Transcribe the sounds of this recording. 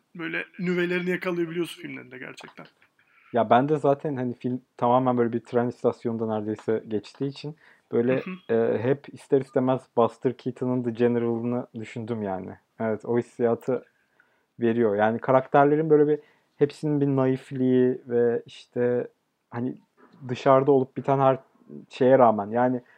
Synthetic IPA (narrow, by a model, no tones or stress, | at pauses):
bøjlʲɛnyvelʲeɾinijakʰalˠɯjabilʲijo̞sunfilʲmlʲeɾind̪ɛɟæ̰ɾt͡ʃʰɛk̚t̪ʰæn | jabænd̪ɛzaːt̪ʰænhanifilʲmt̪ʰamaːmænbøjlʲebit̪ʰɾɛnst̪ʰasjo̞nd̪anæɾd̪e̞jsɛɟɛt͡ʃt̪ʰiːt͡ʃʰin | b̥øjlʲɛɛːɦɛpʰist̪ʰɛɾist̪ʰemæzbast̪ʰɯɾcʰit̪ʰɯnɯnd̪ɯd͡ʒeneɾalˠɯnɯd̪yʃynd̪ymjaːnɪ̰ | ɛvɛt̪o̞hisːijaːt̪ʰɯ | ve̞ɾijo̞ɾjaːnikʰaɾakt̪ʰæɾlʲe̞ɾinbø̞jlʲebi | hepsininbinajiflʲijivɛiʃt̪ʰɛ | hani | d̪ɯʃaɾd̪aolˠup̚bit̪ʰænɦæɾ | ʃe̞jɛɾaːmænjaːnɪ